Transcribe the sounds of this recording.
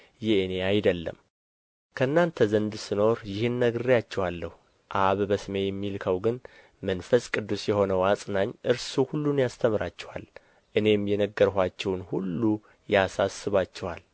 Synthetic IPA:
jɛneajd̪əlːə̰m | kʰəɨnːant̪ʰəzənd̪sɨno̞ɾjɪhɨnːəɡɨrjat͡ʃːɛwalːəh | ʔaβbəsɨme̞jɛmːilkʰəwɡɨn | mənfəskʼɨd̪ːusjɛho̞nəwasʼnaɲːʔɨɾsuhulːunjast̪ʰəmɨɾat͡ʃːɛwa̰l | ʔɨne̞mjɛnəɡːəɾhʷat͡ʃːɛwnhulːu | jasasːɨβat͡ʃːɛwa̰l

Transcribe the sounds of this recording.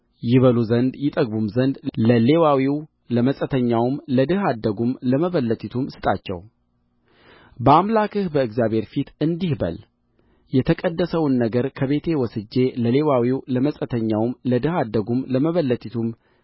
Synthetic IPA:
jɪβəluzənd̪jɪt̪ʼəɡbumzənd̪ləle̞wawiw | ləməsʼət̪ʰəɲːawmləd̪ɨɦad̪ːəɡumləməβəlːət̪ʰʼit̪ʰumsɨ̥t̪ʼat͡ʃːɛ̰w | bəamlakɨhbəɨɡzjaβhe̞ɾfit̪ɨnd̪ihbə̰l | jɛt̪ʰəkʼəd̪ːəsəwnːəɡəɾkʰəβe̞t̪ʰe̞wɔsɨd͡ʒːe̞ləle̞wawiwləməsʼət̪ʰəɲːawmləd̪ɨhad̪ːəɡumləməβəlːət̪ʰʼit̪ʰum

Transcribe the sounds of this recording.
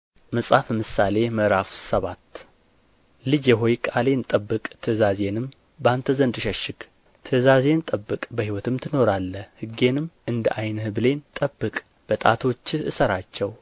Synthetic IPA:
məsʼafmɨsale̞məɾafsəβat̪ | lɨd͡ʒjɛɦo̞jkʼale̞nt̪ʼəbːɨkʼt̪ʰɨzaze̞nɨm | bant̪ʰəzənd̪ɨʃəʃɪɡ | t̪ʰɨzaze̞nt̪ʼəbːɨkʼbəhiwɔt̪ʰɨmt̪ʰɨno̞ɾalːəhɨɡe̞nɨmʔɨnd̪əʔajnhɨbɨle̞nt̪ʼəbːɨkʼ | b̥ət̪ʼat̪ʰo̞t͡ʃːɨsəɾat͡ʃːɛw

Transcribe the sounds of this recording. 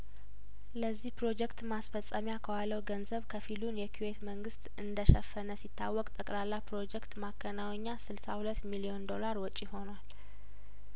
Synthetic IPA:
ləzːihpɾo̞d͡ʒɛkt̪masfəsʼəmjakʰəwalːəwɡənzəβkʰəfilunjɛkʰiwe̞t̪məŋɡɨst̪ɨnd̪əʃəfːənəsit̪ʰːawːɔkʼt̪ʼəkʼlalːapɾo̞d͡ʒɛkt̪makʰːənawɲːasɨlsahulət̪ːmilio̞nd̪o̞laɾwɔt͡ʃʼiho̞nwal

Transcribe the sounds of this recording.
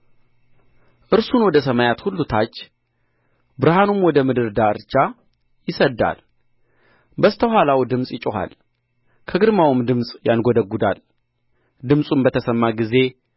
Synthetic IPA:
ʔɨɾsunwɔd̪əsəmajat̪hulːut̪ʰat͡ʃː | bɨɾɦanumwɔd̪əmɨd̪ɨɾd̪aɨɾt͡ʃːa | jɪsəd̪ːa̰l | bəst̪ʰəhalawd̪ɨmsʼjɪt͡ʃʼɪɦa̰l | kʰəɡɨd̪mawɨmd̪ɨmsʼjanɡod̪əɡːud̪al | d̪ɨmsʼunbət̪ʰəsəmːaɡize̞

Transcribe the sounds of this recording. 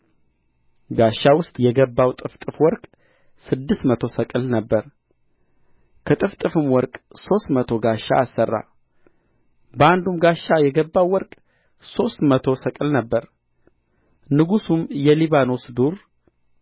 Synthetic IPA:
ɡaʃːawʊst̪ʼjɛɡəbːawt̪ʼɨft̪ʼɨfwɔɾkʼ | sɨd̪ːɨst̪mət̪ʰo̞səkʼɨlnəbːəɾ | kʰət̪ʼɨft̪ʼɨfɨmwɔɾkʼso̞st̪mət̪ʰo̞ɡaʃːa̰ːsːərːa̰ | bəand̪umɡaʃːajɛɡəbːawːɔɾkʼ | so̞st̪mət̪ʰo̞səkʼɨlnəbːəɾ | nɨɡusumjɛliβano̞sd̪uɾ

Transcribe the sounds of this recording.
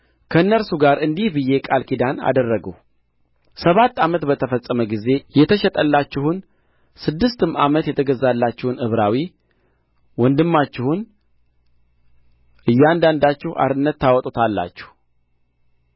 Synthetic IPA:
kʰəɨnːəɾsuɡaɾɨnd̪ihbɨje̞kʼalkʰid̪ana̰d̪ərːəɡə̰w | səβat̪ːamət̪bət̪ʰəfəsʼːəməɡize̞jɛt̪ʰəʃɛt̪ʼəlːat͡ʃːɪhun | sɨd̪ːɨst̪ʰɨma̰mət̪jɛt̪ʰəɡəzːalːat͡ʃːɪhunɨβɾawi | wɔnd̪ɨmːat͡ʃːɪhun | ʔɨjːand̪and̪at͡ʃːɪhʔa̰ɾɨnːət̪ːawɔt̪ʼot̪ʰalːa̰t͡ʃːɪ̥h

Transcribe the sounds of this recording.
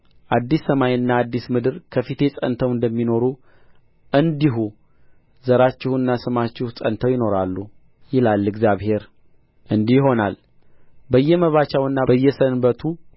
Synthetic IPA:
ʔad̪ːisːəmajɨnːaːd̪ːismɨd̪ɨɾkʰəfit̪ʰe̞sʼə̰nt̪ʰəwɨnd̪əmːino̞ɾu | ʔɨnd̪iɦu | zəɾat͡ʃːɪhuɨnːasɨmat͡ʃːɪhusʼənt̪ʰəwjɪno̞ɾalːu | jɪlalːɨɡzjaβhe̞ɾ | ʔɨnd̪ihjɪɦo̞nal | bəjːɛməβat͡ʃawɨnːabəjːɛsənbət̪ʰu

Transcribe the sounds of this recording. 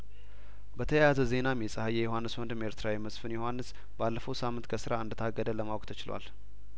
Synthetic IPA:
bət̪ʰəjjazəze̞namjɛsʼəhajɛjoɦanːɨswɔnd̪ɨme̞ɾt̪ʰɨɾawiməsfɨnjohʷwanːɨs | balːəfəwsamːɨnt̪kʰəsɨɾaɨnd̪ət̪ʰaɡːəd̪ələmawkʼt̪ʰət͡ʃɪlwa̰l

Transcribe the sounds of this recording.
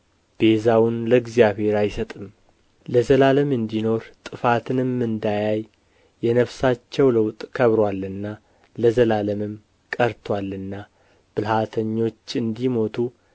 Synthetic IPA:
b̥e̞zawʊnləɡzijaβhe̞ɾajsət̪ʼɨm | ləzəlaləmɨnd̪ino̞ɾt̪ʼɨfat̪ʰɨnɨmːɨnd̪ajaj | jɛnəfsat͡ʃːɛwləwt̪ʼkʰəβɾwalːɨnːa | ləzəlaləmɨm | kʼəɾt̪ʰwalːɨnːa | b̥ɨlhat̪ʰəɲːo̞t͡ʃːɨnd̪imo̞t̪ʰu

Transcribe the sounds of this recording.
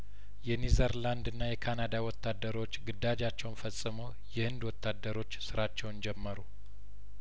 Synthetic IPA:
jɛnizəɾland̪ɨnːajɛkʰanad̪awɔt̪ːad̪ːəɾo̞t͡ʃːɡɨd̪ːad͡ʒat͡ʃːɛwnfəsʼːɨməw | jɛhɨnd̪wɔt̪ːad̪ːəɾo̞t͡ʃːsɨɾat͡ʃːɛwnd͡ʒɛmːəɾu

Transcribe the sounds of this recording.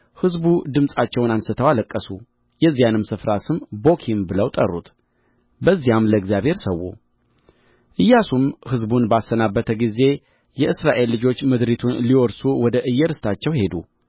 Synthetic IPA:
hɨzbud̪ɨmsʼat͡ʃːɛwnansɨt̪ʰəwaləkʼːəsu | jɛzːijanɨmsɨfɾasɨmbo̞kʰimbɨləwt̪ʼə̰rːṵt̪ | bəzːijamləɡzjaβhe̞ɾsəwːṵ | ʔɨjːasumhɨzbunbasːənabːət̪ʰəɡize̞ | jɛʔɨsɾaʔe̞lːɨd͡ʒo̞t͡ʃːmɨd̪ɾit̪ʰunliwɔɾsuwɔd̪əʔɨjːəɾɨst̪ʰat͡ʃːɛwhe̞d̪u

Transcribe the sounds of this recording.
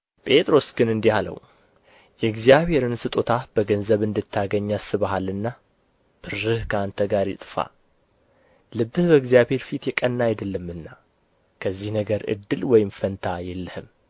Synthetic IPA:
pʼe̞t̪ʼɾo̞sɡɨnɨnd̪ihalə̰wu | jɛɡzijaβhe̞ɾɨnsɨt̪ʼot̪ʰab̥əɡənzəβɨnd̪ɨt̪ʰːaɡəɲːasɨβahalɨnːa | b̥ɨrːɨhkʰəant̪ʰəɡaɾjɪ̰t̪ʼfa̰ | lɨbːɨhbəɡzjaβhe̞ɾfit̪jɛkʼənːajad̪əlːɨmːɨnːa | kʰəzːihnəɡəɾɨ̰d̪ːɨlwɔjɪmfənt̪ʰajɛlːɨhɨm

